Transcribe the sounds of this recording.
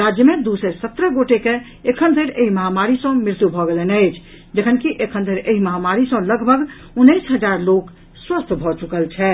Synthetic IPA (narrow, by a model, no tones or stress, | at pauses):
ɾad͡ʒjəmed̪usəsət̪ɾəɡoʈeke | ekʰənd̪ʱəɾeɦiməɦamaɾisə̃miɾt̪ubʱɔɡelenəɪt͡ʃʰ | d͡ʒekʰənkiʔekʰənd̪ʱəɾeɦiməɦamaɾisə̃ləɡbʱəɡ | unːəɪsɦəd͡ʒaɾlok | swəst̪ʰbʱɔt͡ʃukəlt͡ʃʰɛ